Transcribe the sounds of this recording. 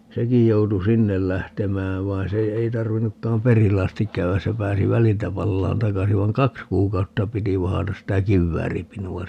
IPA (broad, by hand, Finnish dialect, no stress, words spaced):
sekij joutu sinːel læhtemæːʋ ʋɑi̯n se ei tɑrʋinːukːɑːm perilːe ɑstik kæyæs se pæːsi ʋæliltæ pɑlːɑːn tɑkɑsi ʋɑiŋ kɑks kuːkɑutːɑ piti ʋɑhɑtɑs sitæ kiʋːæːripinuɑ